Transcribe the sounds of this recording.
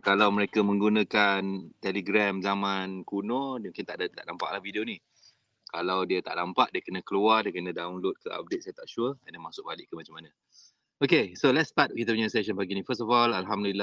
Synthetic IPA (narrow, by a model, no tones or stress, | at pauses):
kalawməɾekamə̃ŋɡunãkant̪ɛliɡɾɛmzamãnkunɔdmuŋkɪnt̪aʔdət̪a̰ʔdampa̰ʔlahvidioni | kalawdiət̪a̰ʔdampaʔdiəkənə̃kəluardiəkənə̃daunlot̪̚kə̰a̰p̚det̪̚sajət̪aʔʃuəəndamasʊk̚balɪʔkːəmat͡ʃamːanə̃ | okesolɛtst̪at̪̚kit̪əp̬uɲasɛʃənpaɡinifəstɔfɔlalɦamdulilːa